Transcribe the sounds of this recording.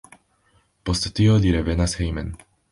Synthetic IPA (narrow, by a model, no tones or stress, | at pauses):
postːioliɾeve̞nashejmḛn